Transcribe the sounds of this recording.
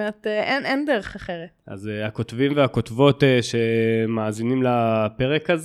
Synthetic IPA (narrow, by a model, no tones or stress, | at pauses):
et̪eʔenʔendeʁeχaχeʁeta̰zehako̞tvimvehako̞tvo̞teʃemaːzinimlape̞ʁekaz